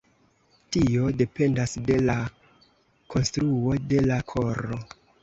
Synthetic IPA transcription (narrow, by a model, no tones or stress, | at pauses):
tio̞de̞pe̞ndasde̞la | kʰo̞nstɾuo̞de̞lakʰo̞ɾo